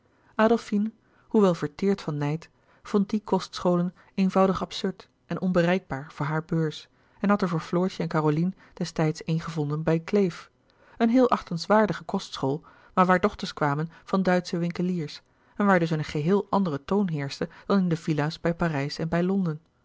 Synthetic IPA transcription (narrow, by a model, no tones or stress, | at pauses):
ʔaːdəlˠfin | huʋɛlˠvəɹtɪːɹtfɑnːɛjt | fɔnt̚dikɔstsχowlən | ejnvɑwdəχɑpsɵɹt | ʔɛnʔɔnbərɛjɡ̚baːɹv̥ʊːɹɦaːɹbøːɹs | ɛnɦɑtɛɹvʊːɹflɔːɹsəɛnkaːrolin | d̥ɛstɛjtsejnχəvɔndənbɛjklejf | ənɦɪːlˠʔɑχtənsʋaːɹdəχəkɔstsχoːlˠ | maːɹʋaːɹdɔχtəɹskʋaːmənv̥ɑndœɥtsəʋɪŋkəliːɹs | ɛnʋaːɹdɵs̬ənəχəɦɪːlˠʔɑndərətownɦɪːɹstəd̥ɑnɪndəv̥ilaːsbɛjpaːrɛjsɛnbɛjlɔndən